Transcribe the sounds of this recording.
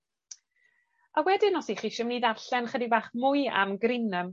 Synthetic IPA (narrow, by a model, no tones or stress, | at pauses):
awɛdɪnɔsiχiːʃɪmniːdarɬɛnχədivaːχmʊɨa̰mɡrinəm